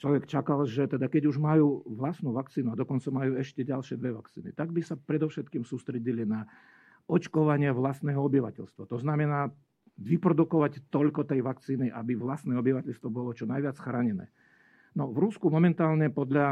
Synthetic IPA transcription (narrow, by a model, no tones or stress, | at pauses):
t͡ʃlɔʋɛkt͡ʃakalʒɛt̪ɛd̪akɛɟuʒmajuːʋlasnuʋakt͡siːnuad̪ɔkɔnt͡samajuːɛʃcɛɟalʃɪɛd̪ʋɛʋakt͡siːnḭt̪aɡbisapɾɛd̪ɔʊʃɛt̪kiːmsuːst̪ɾɛɟilina | ɔt͡ʃkɔʋaɲɪɛʋlasnɛːɦɔɔbiʋa̰cɛ̰ʎst̪ʋat̪ɔznamɛnaː | ʋipɾɔd̪ukɔʋact̪ɔʎkɔt̪ɛjʋakt͡siːniʔabiʋlast̪nɛːɔbiʋacɛʎst̪ʋɔbɔlɔt͡ʃɔnajʋɪat͡sxɾaːɲɛnɛ̰ː | nɔʋɾuskumɔmɛnt̪aːlɲɛpɔd̪ʎa